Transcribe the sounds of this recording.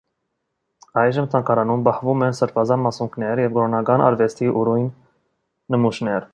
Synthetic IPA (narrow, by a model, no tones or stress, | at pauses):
ɑjʒəmt̪ʰɑŋkɑɾɑnumbɑhvumɛnsəɾpʰɑzɑnmɑsuŋkʰnɛɾjɛvɡɔɾɔnɑkɑnɑ̰ɾvɛst̪ʰiʔuɾujnː | əmuʃnɛɾ